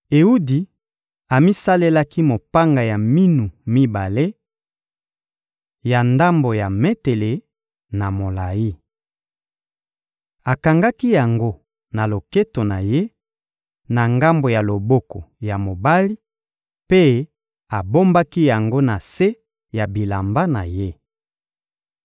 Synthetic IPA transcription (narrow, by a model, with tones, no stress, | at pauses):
e˨u˦di˨ | a˨mi˦sa˦le˦la˦ki˦mo˨pa˦ŋɡa˨ja˨mi˦nu˨mi˦ba˨le˦ | ja˨nda˦mbo˨ja˨me˦te˨le˨ | na˨mo˨la˨ji˦ | a˨ka˨ŋɡa˦ki˦ja˨ŋɡo˦ | na˨lo˨ke˦to˨na˨je˦ | na˨ŋɡa˦mbo˨ja˨lo˨bo˦ko˨ja˨mo˨ba˦li˦ | pe˦ | a˨bo˦mba˦ki˦ja˨ŋɡo˦na˨se˦ | ja˨bi˨la˨mba˦na̰˨je˦